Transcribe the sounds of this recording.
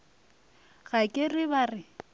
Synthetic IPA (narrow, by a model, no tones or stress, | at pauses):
ɣakʼɪrɪbarɪ